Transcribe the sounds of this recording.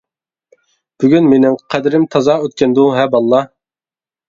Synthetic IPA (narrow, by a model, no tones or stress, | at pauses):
b̥yɡʲynmenɪŋqʰɛd̪ɪɾɪmt̪ʰɑzɑøt̪̚kʲɛnd̪uɦɛbɑlˠːɑ